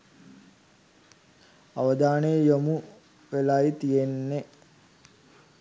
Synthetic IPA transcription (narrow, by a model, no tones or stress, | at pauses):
aʋəd̪aːnejəjomu | ʋelait̪ijenːe